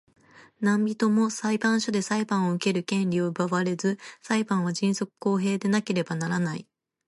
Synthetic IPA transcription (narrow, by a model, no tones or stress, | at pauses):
nãmbʲit̪o̞mo̞saibãɰ̃ɕod̪e̞saibãɰ̃o̞ɯ̟ke̞ɾɯ̟kẽ̞nɾʲio̞ɯbaβaɾe̞zɨsaibãɰ̃β̞aʑĩɰ̃so̞kɯ̟̥ko̞ːɦe̞ːd̪e̞nake̞ɾe̞banaɾanai